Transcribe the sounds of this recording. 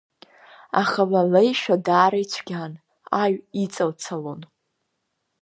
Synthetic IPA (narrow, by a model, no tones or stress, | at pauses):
a̰χalalejʃᶣadaːɾajt͡ɕʷʰɡʲan | aɥit͡sʼalt͡sʰalon